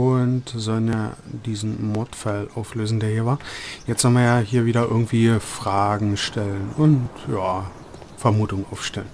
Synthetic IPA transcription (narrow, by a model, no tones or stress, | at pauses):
ʔʊntzɔlənja̰ːd̥iːzn̩mɔɐtfalʔaʊfløːzn̩deːɐhiːɐvaːɐjɛt͡stz̥ɔlənviːɐjaːhiːɐviːɾɐʔɪɐɡŋ̩tv̥iːfʁ̥aːɡŋ̩ʃtɛlənʔʊntjaː | fɛɐmuːtʊŋənʔaʊfʃtɛlən